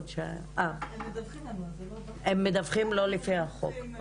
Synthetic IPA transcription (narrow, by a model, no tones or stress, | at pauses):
dʃe | ʔa | emːed̪ɐvχimlo̞lifiaχo̰k